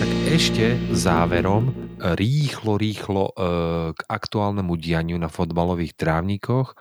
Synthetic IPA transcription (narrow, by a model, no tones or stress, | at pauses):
t̪aɡɛʃcɛzaːʋɛɾɔmɾiːxlɔɾiːxlɔɡ̥akt̪uaːlnɛmuɟɪaɲɪunafɔd̪balɔʋiːxt̪ɾaːʊɲikʰɔx